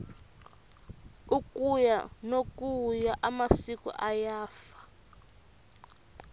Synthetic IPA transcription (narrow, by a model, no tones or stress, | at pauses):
ukʼuja̰nokujaʔamasikɔ̰ʔajaːfḁ